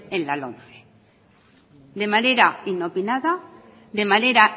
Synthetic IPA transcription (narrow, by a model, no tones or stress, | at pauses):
ẽnlalon̟θe̥ | d̪e̞mane̞ɾaino̞pinaða | d̪e̞mane̞ɾa